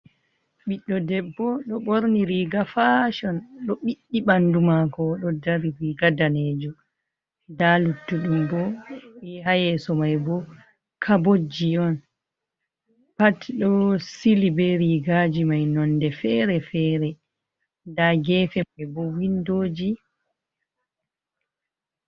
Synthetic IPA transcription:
ɓiɗːɔdɛbːɔɗɔɓoɾniɾiɡafaʃɔnɗɔɓiɗːiɓandumakɔɗɔdaɾiɾiɡadaned͡ʒu | dalutːuɗumbɔɛɦajɛsɔmajbɔ | kʰabod͡ʒiɔn | patɗɔsilibɛɾiɡad͡ʒimajnɔndɛfɛɾɛfɛːɾɛ | daɡɛfɛajbɔwindoːd͡ʒi

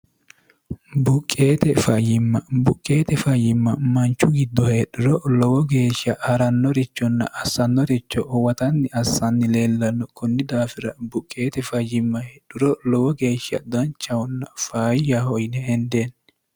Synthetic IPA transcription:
bʊkʼːe̞ːt̪ɛfɐjɪmːɐbʊkʼːe̞ːt̪ɛfɐjɪmːɐmɐnt͡ʃːʊɡɪd̪ːɔheːɗʊɾɔlɔwɔɡe̞ːʃɐhɐɾɐnːɔɾɪt͡ʃːɔnːɐ̰ʔɐsːɐnːɔɾɪt͡ʃːɔʔwɐt̪ɐnːɪɐsːɐnːɪle̞ːlːɐnːɔkʰʊnːɪd̪aːfɪɾɐbʊkʼːe̞ːt̪ɛfɐjɪmːɐhɛɗʊɾɔlɔwɔɡe̞ːʃːɐ̰d̪ɐnt͡ʃːɐwɔnːɐfaːjjahɔjnɛhɛnd̪en

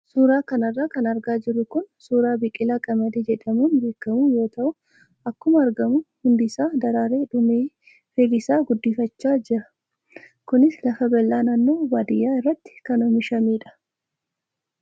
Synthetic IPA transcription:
suːɾaːkɐnɐrːaːkɐnɐɾɡaːd͡ʒɪrːʊkʊnsuːɾaːbɪkʼːɪlaːkʼɐmɐd̪eːd͡ʒɛᶑɐmuːnbe̞ːkːɐmuːjo̞ːt̪ɐʔʊ | ʔɐkːʊmɐɐɾɡɐmʊhʊnd̪ɪsaːd̪ɐɾaːɾeːᶑʊmeː | fɛd̪ɪsaːɡʊd̪ːifɐt͡ʃːaːd͡ʒɪɾɐ | kʊnɪslɐfɐbɛlːaːnaːnːoːbaːd̪ɪjːaːɪrːɐt̪ːɪ̥kɐnɔmɪʃɐmiːᶑɐ̥

